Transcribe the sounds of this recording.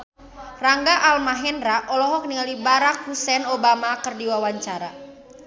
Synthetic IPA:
raŋɡaʔalmaɦɛnraʔɔlɔɦɔk̚niŋalibaɾak̚husɛnobamakərdiwawaɲt͡ʃaɾa

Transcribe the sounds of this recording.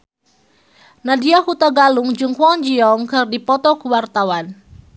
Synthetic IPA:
nadiahut̪aɡaluŋd͡ʒɨŋkwɔŋd͡ʒiɔŋkɨrdipɔt̪ɔkuwart̪awan

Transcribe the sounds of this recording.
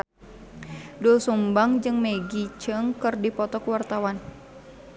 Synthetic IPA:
dulsumbaŋd͡ʒɨŋmeɡit͡ʃəŋkɨrdipɔt̪ɔkuwart̪awan

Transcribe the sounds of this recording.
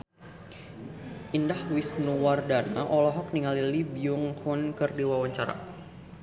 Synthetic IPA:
ʔindahwisnuwardana̰ʔɔlɔɦɔk̚niŋalilibiuŋhunkərdiwawaɲt͡ʃaɾa̰

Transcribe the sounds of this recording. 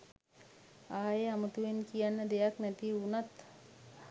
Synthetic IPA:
aːjeamət̪uʋenkijanːəd̪ejaknæt̪iunat̪

